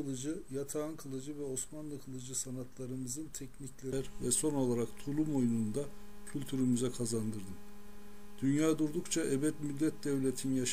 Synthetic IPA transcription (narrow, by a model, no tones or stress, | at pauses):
ɯlˠɯd͡ʒɯjat̪ʰaɯnkʰɯlˠɯd͡ʒɯvɛo̞smanlˠɯkʰɯlˠɯd͡ʒɯsanat̪ʰlˠaɾɯmɯzɯnt̪ʰɛcniclʲeɾvɛso̞no̞lˠaɾakt̪ʰulˠumo̞jnund̪a | cʰylʲt̪ʰyɾymyzɛkʰazand̪ɯɾd̪ɯm | d̪̥ynjaːd̪uɾd̪ukt͡ʃʰaʔɛbɛt̪myd̪ʲːɛt̪̚d̪ɛvlʲet̪ʰinjaʃ